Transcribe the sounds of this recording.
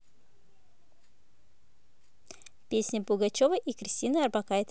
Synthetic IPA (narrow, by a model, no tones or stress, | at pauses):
pʲesʲnʲəpʊɡat͡ɕovəʔikɾʲɪsʲtʲinɨɐrbakaɪt̪